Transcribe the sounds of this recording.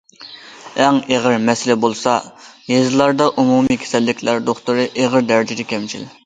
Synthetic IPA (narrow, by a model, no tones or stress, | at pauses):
ɛŋeʁɪɾmɛsɪlɛbolˠsɑjezɨlˠɑɾd̪ɑʔumumikʲʰe̥sɛlːɪkʲʰlæɾd̪oχt̪uɾɨʔeʁəɾd̪æɾd͡ʒɪd̪ɛkʲʰɛmt͡ʃʰḭl